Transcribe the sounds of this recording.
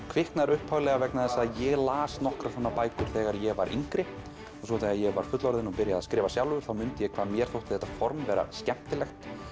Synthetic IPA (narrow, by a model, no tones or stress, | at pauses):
kʰvɪhknaɾʏhphawlɛɣavɛknaðɛsːajɛɣlaːsnɔhkɾasɔːnapaːjk̪ʏɾ̥θɛːɣaɾjɛɣvaɾʔḭŋkɾɪ | ɔsvɔθajɣajɛɣvaɾ̥fʏt̪lɔɾðɪnɔpɪɾjaðaskɾɪːvasjawlʏʏɾ̥θawmʏnt̪ɪjɛkʰv̥aːðmjɛɾ̥θowht̪ɪ̥θɛht̪ḁfɔɾmvɛːɾa̰scɛm̥t̪ɪlɛxt̪